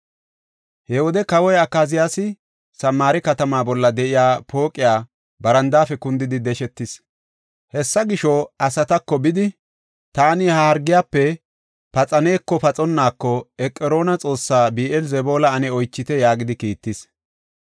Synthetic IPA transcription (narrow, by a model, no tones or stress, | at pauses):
hɛwɔd̪ɛkɐwɔjɐkːaːzɪjaːsɪ | sɐmːaːɾɪkɐt̪ɐmaːbɔlːɐd̪ɛʔɪjaːpo̞ːkʼːɪjaː | bɐɾɐnd̪aːfɛkʊnd̪ɪd̪ɪd̪ɛʃɛt̪ːɪs | hɛsːɐɡɪʃɔɐsɐt̪ɐkːɔbɪd̪ɪ | t̪aːnɪhaɐɾɡɪjaːpːɛ | pɐt͡sʼɐne̞ːkːɔpɐt͡sʼɔnːaːkːɔɛkʼːɛɾo̞ːnɐt͡sʼo̞ːsːaːbiːʔɛlzɛbo̞ːlɐɐnɛɔjt͡ʃːɪt̪ɛjaːɡɪd̪ɪkiːt̪ːɪs